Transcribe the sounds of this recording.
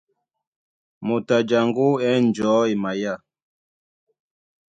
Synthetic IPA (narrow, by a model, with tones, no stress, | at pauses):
mo˨ta˨d͡ʒa˨ŋɡo˦ɛ˦n˨d͡ʒɔː˨˦i˨ma˨ja˦˨